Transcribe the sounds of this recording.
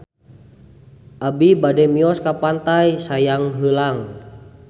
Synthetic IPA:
ʔabibadɛmiɔskapant̪ajsajaŋɦəlaŋ

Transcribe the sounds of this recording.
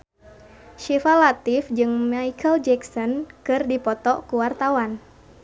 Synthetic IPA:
ʃifalat̪ifd͡ʒɨŋmaikʰəld͡ʒɛksɔnkɨrdipɔt̪ɔkuwart̪awan

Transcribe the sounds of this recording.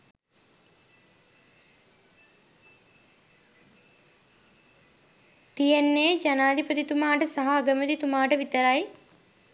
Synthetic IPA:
t̪ijenːeːd͡ʒɐnaːd̪ʱipət̪it̪umaːʈəsaɦaːɡəmət̪it̪umaːʈəʋit̪əɾaj

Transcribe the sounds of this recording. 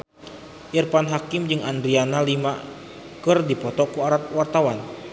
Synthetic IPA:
ʔirpanɦakimd͡ʒɨŋandɾianalima | kɨrdipɔt̪ɔkuaɾat̪̚wart̪awan

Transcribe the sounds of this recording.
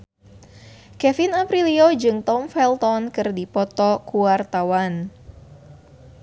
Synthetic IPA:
kɛfinapɾiliod͡ʒɨŋt̪ɔmfɛlt̪ɔnkɨrdipɔt̪ɔkuwart̪awan

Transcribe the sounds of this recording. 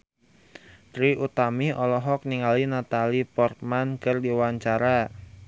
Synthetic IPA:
t̪ɾiʔut̪amiɔlɔɦɔk̚niŋalinat̪alipɔrt̪̚mankɨrdiwaɲt͡ʃaɾa

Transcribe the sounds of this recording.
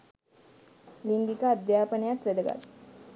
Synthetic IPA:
liŋɡ̪ikəad̪jaːpənejat̪ʋed̪əɡa̰t̪

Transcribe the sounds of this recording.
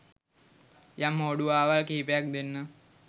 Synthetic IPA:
jamoɽuaːʋalkiːpjak̚d̪enːə

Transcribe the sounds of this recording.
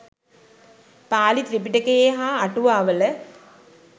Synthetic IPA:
paːlit̪ɾipiʈɐkeːɦaːɐʈuʋaːʋɐl

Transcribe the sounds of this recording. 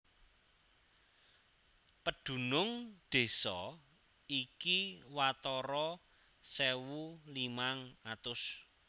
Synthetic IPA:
pəɖ̪̥ṳnʊŋɖ̪̥e̤sɔ | ikiwat̪ɔɾɔ | sewulimaŋat̪ʊs

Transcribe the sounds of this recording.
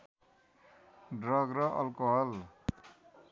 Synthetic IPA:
ɖrʌɡɾʌʔʌlkoɦʌl

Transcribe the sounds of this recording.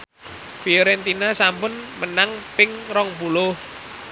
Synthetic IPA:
fioɾɛnt̪inasampʊnmənaŋpɪŋɾɔŋpulʊh

